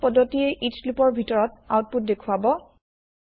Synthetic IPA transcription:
pɔdʱːɔtiɛʔitslupɔɹbʱitɔɹɔt̚a̰wt̚put̚dekʰuabɔ

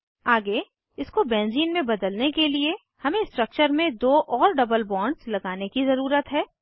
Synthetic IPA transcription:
aːɡe | ɪskobɛ̃ːnziːnmẽbɐd̪əlnekelie | hɐmẽsʈɾək̚t͡ʃəɾmẽd̪oːʔɔːɾɖɐbəlbɔ̃ːɳɖslɐɡaːnekizɐɾuːɾət̪ɦɛː

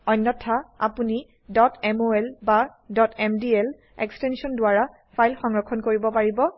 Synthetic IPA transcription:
ɔjnːɔtʰːaa̰puni | dɔtɛmoɛlbadɔtʰɛmdiɛl | ɛ̰kstɛnsiɔndʊaɹa | pʰajlxɔŋɹɔkʰːɔnkoɹibɔpaɹibɔ

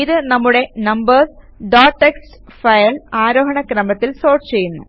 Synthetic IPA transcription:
iðɨnɐmːuɽe̞nɐmbɐrs | ɖaːʈːekstfɐjɐlaːɾoːɦɐɳɐkɾɐmɐt̪ːilso̞ːrʈt͡ɕe̞jːunːu

